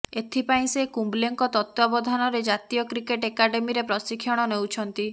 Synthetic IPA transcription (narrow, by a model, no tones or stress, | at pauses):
et̪ʰipaĩsekumbleŋkɔt̪ɔt̪wabɔd̪ʱanɔɾed͡ʒat̪ijɔkɾikeʈekaɖemiɾepɾɔsikʰːjɔɽ̃ɔnewt͡ʃʰɔnt̪i